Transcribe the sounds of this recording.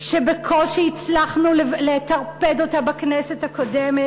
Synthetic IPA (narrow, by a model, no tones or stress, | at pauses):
ʃebekʰo̞lʃeit͡slaχnuleletaʁpedo̞tabaknesetako̞deme